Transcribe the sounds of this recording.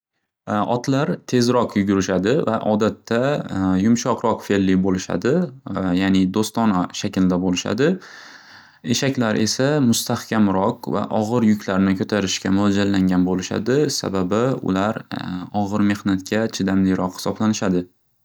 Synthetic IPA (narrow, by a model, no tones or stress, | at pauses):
ɒ̰t̪ʰlaɾt̪ʰe̞zɾɒqjʊɡʲʊɾɪʃad̪ɪva̰ʔɒd̪at̪ʰːajʊmʃɒqɾɒqfe̞lːɪbolɪʃa̰d̪ɪjanɪd̪ost̪ɒnaʃakʲɪld̪abolɪʃa̰d̪ɪ | e̞ʃakʲlaɾʔe̞samʊst̪ʰahkʲʰamɾɒqva̰ʔɒʁɨɾjʊkʲʰlaɾnɪkʰɵt̪ʰaɾɪʃkʲamʊad͡ʒallːaŋɡʲanbolɪʃa̰d̪ɪsa̰babɪʊ̰laɾɒʁɨɾme̞hnat̪̚kʲat͡ʃʰɪd̪amlɪɾʔɒqhɪ̥sɒblanɪʃad̪ɪ